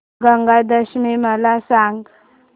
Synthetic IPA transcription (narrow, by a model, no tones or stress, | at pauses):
ɡaŋɡad̪əɕmeməlasaŋɡ